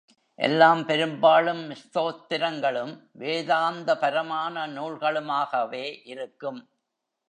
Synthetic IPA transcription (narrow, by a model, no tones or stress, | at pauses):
ʔɛ̰lːaːmpɛɾɯmbaːɭɯmːɪst̪oːt̪ːɪɾɐŋɡɐɭɯmʋeːðaːnd̪ɐpɐɾɐmaːnɐnuːɭɣɐɭɯmaːɣɐʋeːʔɪɾɯkːɯm